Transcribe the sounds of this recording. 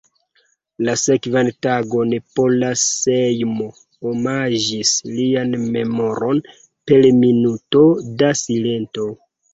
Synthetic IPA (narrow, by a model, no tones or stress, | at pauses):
lase̞kvantaɡo̞npolasejmo | omad͡ʒislianme̞mo̞ɾo̞n | pe̞lminuto̞dasile̞nto̞